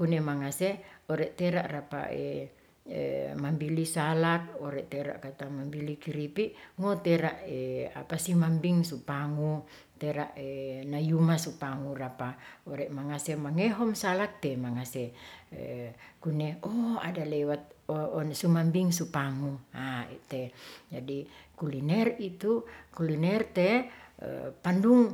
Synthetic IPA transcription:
kunemaŋaseɔɾɛʔt̪eɾaʔrapa̰ʔḛ | mambilisalak̚ɔɾɛʔt̪eɾa̰ʔkat̪amambilikiɾipiʔŋot̪ɛɾaʔea̰pasimambiŋsupaŋu | t̪eɾaʔenajumasupaŋurapaɔɾɛʔmaŋasɛmaŋɛɦɔmsalak̚t̪ɛmaŋasɛ̰ | kunɛɔa̰dalɛwat̪̚sumambiŋsupaŋuaḭt̪ɛd͡ʒadikulinɛrit̪ukulinɛrt̪ɛ̰ | panduŋ

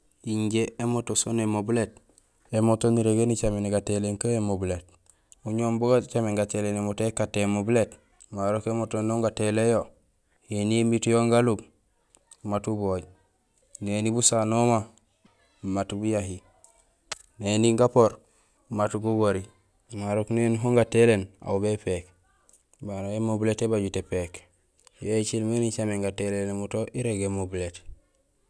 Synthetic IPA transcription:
iɲɟeemotosonemobulet̚ | emotoniɾeɡenit͡ʃameniɡateleŋkaemobulet̚ | uɲoːmboɡat͡ʃameŋɡatelenemotekatːemobulet | maɾokemotonoŋɡatelejo | jeniemitjoŋɡalub | matuboːɟ | nenibusanoma | matubujaɦi | neniŋɡapoɾ | matuɡuɡoɾi | maɾoknenɦoŋɡatelena̰ubepek | baɾoemobuletebaɟutepek | jet͡ʃilmenit͡ʃameŋɡatelenemutoʔiɾeɡemobulet

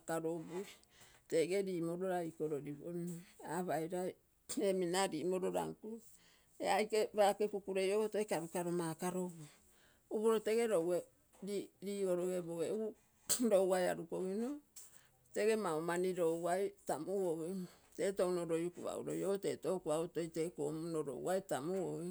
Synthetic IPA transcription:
kaɾobui | teɡeɾiːmoɾoɾaikoɾoɾiβo̰naβajɾaj | eminaɾimoɾoɾa̰ŋku | ḛajkebakekukuɾejootoekaβikaɾomakaɾobu | uβoɾote̞ɡe̞ɾowe | ɾiɾiːo̞ɾoɡeboɡeu | ɾo̞waja̰ɾukoɡino | te̞ɡe̞maomaniɾowajtamuwote̞ːtonoɾojukṵβa̰ṵɾo̰jote̞to̞kuaoto̞jteko̰ːmunoɾo̰wajtamuo

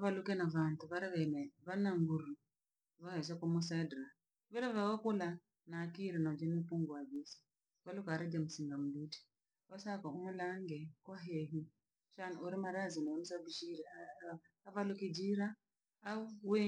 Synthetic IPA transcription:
aβalukɛnaβantuβaɾiβɛnɛβanaŋɡuɾu | βahɛs̬ɛkumusadɾa | βiɾɛβawɔkula | nakiɾɛnad͡ʒɛnipuŋɡɔad͡ʒisi̥ | βalukaɾɛd͡ʒamusiŋɡam̩biti̥ | kɔsakɔumulaŋɡɛkwaɦɛɦi | ʃanuɾimaɾazinanisabiʃiɾɛa | aβalukid͡ʒiɾaː | uwe

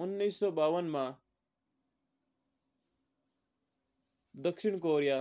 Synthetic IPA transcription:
ʊnːiːsːɔːbaːʋənmãː | d̪əkʃɪɳ̃k̬oːɾijaː

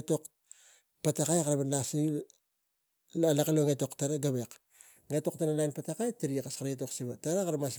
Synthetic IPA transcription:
to̞k | patakajkaɾaβanlasi | alakaloŋeto̞ktaɾaɡaβek | ŋeto̞ktanalajnpatakajtiɾikaskaɾaetoksiβataɾakaɾamas

